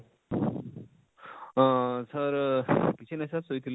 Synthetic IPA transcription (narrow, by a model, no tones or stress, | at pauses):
sʌɾkit͡ʃʰinasasoit̪ʰil